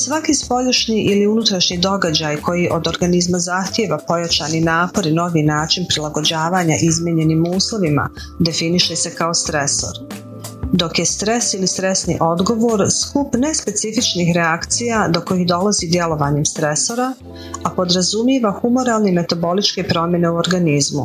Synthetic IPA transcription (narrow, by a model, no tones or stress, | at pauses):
sʋakispo̞juʃniʔiliunut̪ɾaʃɲid̪o̞ɡad͡ʑajko̞jiʔo̞d̪o̞ɾɡanizmazaxt̪je̞ʋapo̞jat͡ʃaninaːpo̞ɾino̞ʋinaːt͡ʃinpɾilˠaɡo̞d͡ʑaːʋaːɲaʔizmʲjeɲe̞nimuːslˠoʋima̰ | d̪e̞finiʃe̞se̞kao̞st̪ɾe̞so̰ɾ | d̪o̞kje̞st̪ɾe̞silist̪ɾe̞sniʔo̞d̪ɡo̞ʋoɾskupne̞spe̞t̪sifit͡ʃnixɾe̞akt̪sijad̪oko̞jixd̪o̞lazid̪je̞lo̞ʋaɲemst̪ɾe̞so̞ɾa | apo̞d̪ɾazumjeʋaxumo̞ɾaːlˠnime̞t̪abo̞lit͡ʃke̞pɾo̞mje̞ne̞uo̞ɾɡanizmṵ